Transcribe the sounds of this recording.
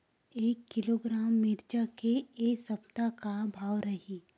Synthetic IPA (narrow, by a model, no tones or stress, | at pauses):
eːkːɪloːɡɾaːmːɪɾd͡ʒakeeːsɐpt̪akabʱaːwɾɐɦi